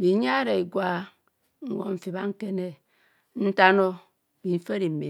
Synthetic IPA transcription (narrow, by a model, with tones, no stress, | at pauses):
bi˨˦ɲa˦ɾe˨i˨ɡwa˦ | ŋ̩˦ɡo̰˨ɱ̩˨fi˨ba˦ŋ̩˦ke˦ne˦ | n̩˦ta˦no˦ | bi˨m̩˦fe˦ɾi˨m̩˨mi˨